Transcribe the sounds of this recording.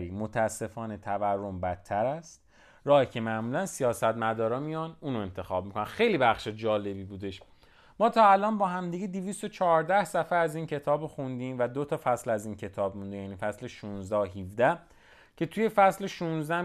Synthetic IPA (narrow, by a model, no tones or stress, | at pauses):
ɾiːmot̪ʰæsːe̞fɒːne̞t̪ʰæværːombæt̪ʰːæɾæst̪ | ɾɒːhicʰemæʔmuːlænsijɒːsæt̪mæd̪ɒːɾɒːmijɒnuːnoe̞nt̪ʰe̞xɒːb̚mikʰonænxe̞jlibæxʃed͡ʒɒːle̞biːbuːd̪e̞ʃ | mɒːt̪ʰɒːælɒːnbɒːhæmd̪iɟed̪ivist̪ot͡ʃʰɒːɾd̪æhsæfææziːncʰe̞t̪ʰɒːboxund̪iːmvæd̪ot̪ʰɒːfæslæziːncʰe̞t̪ʰɒːbmund̪ejæniːfæsleʃunzd̪æɦivd̪æh | cʰe̞t̪ʰuje̞fæsleʃunzd̪æ